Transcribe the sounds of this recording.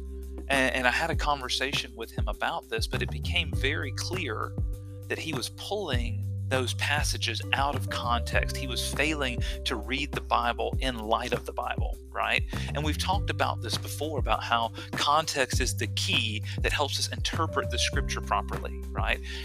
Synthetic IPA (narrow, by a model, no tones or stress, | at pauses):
ʔɨ̃ɨ̃naɪɨɾɨkʰɑ̃ɱvə˞seɪʃɨ̃nwɨð̥ɨ̃məbaʊt̪̚ðɪsb̥ʌɾɨt̚b̥ɨkʰẽɪ̃ɱvɛɹikʰl̥ɪɹ | ðɨt̚hiwʌz̥pʰʊlˠɪ̃ŋðoʊz̥pʰæsɨd͡ʒɨzʔaʊɾʌv̥kʰɑ̃ntʰɛ̰kst̚hiwʌz̥feɪlˠɪ̃ŋtʰɨɹid̪̚ðɨbaɪbl̩ˠɪ̃nlaɪɾʌvðəbaɪbl̩ˠ | ɹa̰ɪt̚ʔɨ̃nwiv̥tʰɔk̚tɨbaʊt̪̚ðɪsb̥əfɔɹɨbaʊt̚haʊ | kʰɑ̃ntʰɛkstɨzðɨkʰiðɨt̚hɛlˠpsʌsɨ̃ntʰɜ˞pɹɨt̪̚ðɨskɹ̥ɪp̚t͡ʃə˞pʰɹ̥ɑpə̰˞lˠḭ | ɹa̰ɪt̚